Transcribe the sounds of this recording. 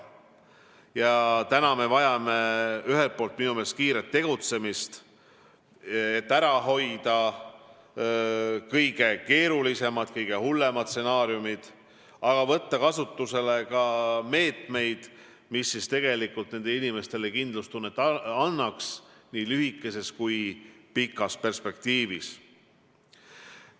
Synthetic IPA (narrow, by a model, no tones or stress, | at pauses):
jɑt̪ænɑme̞vɑjɑme̞yɦe̞lt̪̚po̞ːlt̪̚minume̞ːskiːɾet̪ːe̞ɡ̥ut̪se̞mist̪ | et̪ːæɾɑɦo̞jd̪̥ɑ | kɤjɡ̥e̞ke̞ːɾulise̞mɑd̪̥kɤjɡ̥e̞hulːe̞mɑt̪se̞nɑːɾjumid̪̥ | ɑɡ̥ɑvɤ̞t̪ːɑkɑsut̪ːuse̞le̞kɑme̞ːt̪me̞jd̪̥ | misːist̪e̞ɡ̥e̞likːˑult̪ne̞nd̪einime̞st̪e̞lekind̪lust̪unːet̪ːˑɑnːɑksniːlyɦikːˑe̞se̞skujpikːˑɑspe̞rspe̞k̚t̪iːvis